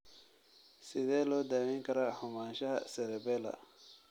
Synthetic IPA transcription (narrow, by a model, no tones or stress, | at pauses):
sɪðɛːlɔːd̪aːmɛŋkɐɾahʊmaːnʃɐhɐ̰sɛɾɛbɛlɐ̰